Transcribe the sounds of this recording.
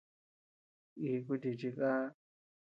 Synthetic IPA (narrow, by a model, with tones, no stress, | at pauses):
i˧ku˦˧t̪i˧t͡ʃi˧ka˦